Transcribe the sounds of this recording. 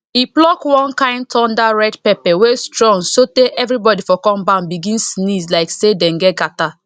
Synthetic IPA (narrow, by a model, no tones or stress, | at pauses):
iplɔkwɔ̃nkãɪ̃ndtʰɔ̃ndaɹɛdpɛpɛwestɹɔ̃ŋsoteʔɛvɾibɔdifɔkɔ̃mbanbiɡĩnsnizlaɪksedɛ̃nɡɛt̚ɡata